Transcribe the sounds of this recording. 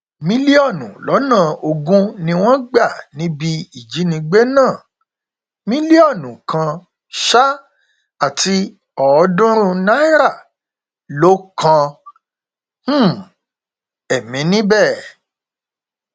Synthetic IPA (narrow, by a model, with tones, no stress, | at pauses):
mĩ˦li˦ɔ˦˨nṵ̃˨lɔ˨˦nã˦˨o˧ɡũ˦nĩ˧w̃ɔ̃˦ɡ͡ba˦˨nĩ˦bi˧i˨d͡ʒi˨˦nĩ˧ɡ͡be˦nãː˦˨ | mĩ˦li˦ɔ˦˨nũ˨kã˧ | ʃa˦ | a˦˨ti˧ | ɔ˨˧˦dũ˦ɾ̃ũ˧na˦i˦ɾa˦˨ | lo˦kʰã˧˦˨ | ɛ˨mĩ˨˦nĩ˦bɛ˦˨